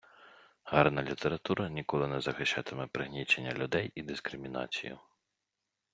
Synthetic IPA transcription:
hɑrnɐlʲit̪ʰeɾɐt̪uɾɐnʲikɔlˠɪnɛzɐxɪʃt͡ʃɑt̪ɪmɛpɾɪɦnʲit͡ʃenʲːɐ̰lʲʊd̪ɛjid̪iskɾɪmʲinɑ̰t͡sʲḭjʊ̰

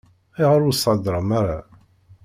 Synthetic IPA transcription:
iʁəɾʊsˤɑd̪ɾˤəmaɾa

